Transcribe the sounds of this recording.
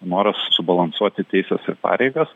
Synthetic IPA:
noːɾɐssʊbɐlˠɐnsuɔt̪ʲɪt̪ʲɛɪsʲɛsɪɾpɑ̰ːɾʲɛɪɡɐs

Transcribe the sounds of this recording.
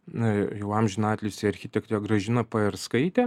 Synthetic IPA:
jɛʊɑmʲʒʲʊnɑːt̪ʲlʲɪʊsʲɪɐɾʲxʲɪt̪ʲɛkt̪ɛɡɾɐʒʲɪnɐpɐɛɾskɐɪt̪ʲɛ

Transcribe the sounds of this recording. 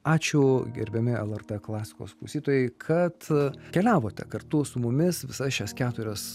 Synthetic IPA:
ɑːt͡ʃʲʊɡʲɛ̰ɾʲbʲɛmʲɪɛlˠɛrt̪ɛklˠɑːsʲɪ̥ko̰ːsklˠɐʊsʲiːt̪oːjɛɪkʰɐt̪kʲɛlʲæːʋoːt̪ʲɛ̰kɐrt̪ʊsʊmʊmʲɪsʋʲɪsɐʃʲɛskʲæːt̪ʊɾʲɛs

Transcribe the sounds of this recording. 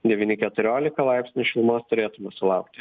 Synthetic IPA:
d̪ʲɛʋʲiːnʲɪkʲɛt̪ʊɾʲoːlʲɪkɐlˠɑɪpʲsʲnʲʊʃʲɪlˠmoːst̪ʊɾʲeːt̪ʊmɐsʊlˠɑʊk̚t̪ʲɪ

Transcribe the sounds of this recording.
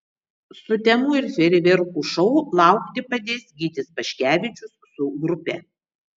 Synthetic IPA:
sʊt̪ʲɛmuːɪɾsʲʋʲɛɾʲɪʋʲɛɾkuːʃɔʊlˠɑˑʊkt̪ʲɪpɐd̪ʲeːsʲɡʲiːt̪ʲɪspɐʃʲkʲæːʋʲɪt͡ʃʲʊssʊɡɾʊpʲɛ

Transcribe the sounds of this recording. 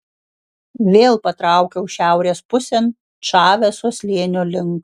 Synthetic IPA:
ʋʲeːlˠpɐt̪ɾɑˑʊkʲɛʊʃʲæˑʊɾʲeːspʊsʲɛn | ʃɑːʋʲɛsoɔsʲlʲeːnʲolʲɪŋk

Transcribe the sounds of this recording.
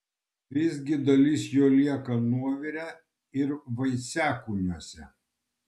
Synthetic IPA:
ʋʲɪzʲɡʲɪd̪ɐlʲiˑsjoːlʲiɛkɐnuɔʋʲɪɾʲæː | ɪɾʋɐɪsʲæːkuːnʲuɔsʲɛ

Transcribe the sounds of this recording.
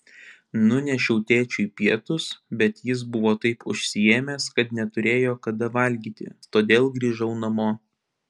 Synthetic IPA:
nʊnʲɛʃʲɛʊt̪ʲeːt͡ʃʲuipʲiɛt̪ʊsbʲɛt̪jɪs̬bʊʋoːt̪ɐɪpʊʃʲsʲɪjeːmʲɛskɐt̪nʲɛt̪ʊɾʲeːjoːkɐd̪ɐʋɐlʲɡʲiːt̪ʲɪ̰t̪oːd̪ʲeːlˠɡɾʲiːʒɐʊnɐmoː

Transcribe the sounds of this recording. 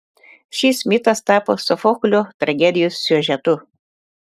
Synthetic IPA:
ʃʲiːsmʲɪt̪ɐst̪ɑːpoːsʊfɔkʊlʲot̪ɾɐɡʲɛd̪ʲɪjosːʲyɛʒʲɛt̪ʊ

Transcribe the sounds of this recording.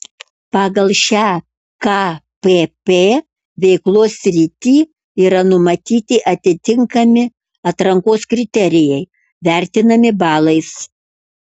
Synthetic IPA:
pɑːɡɐlˠʃʲæː | kɑ | pepeː | ʋʲɛɪklˠoːsʲɾʲɪt̪ʲiː | iːɾɐnʊmɐt̪ʲiːt̪ʲɪʔɐt̪ʲɪt̪ʲɪŋkɐmʲɪ | ɐt̪ɾɐŋkoːskɾʲɪt̪ʲɛɾʲɪjɛɪ | ʋʲæˑɾʲt̪ʲɪnɐmʲɪbɑːlˠɐɪs

